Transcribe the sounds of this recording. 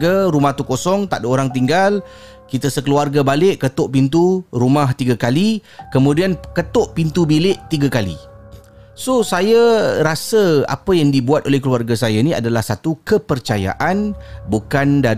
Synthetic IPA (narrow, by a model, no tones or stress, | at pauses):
ɡaɾumaht̪ukosɔŋt̪a̰ʔdəoɾaŋt̪iŋɡal | kit̪əsəkəluarɡabalɪʔkːət̪ʊʔpint̪̬uɾumaht̪iɡakalikəmũdiankət̪ʊʔpint̪ubilɪʔt̪iɡakalḭ | sosajaɾasəa̰pəjaŋdibuat̪̚olɛhkəluarɡasajania̰dalahsat̪ukəpərt͡ʃaja̰ʔanbukanda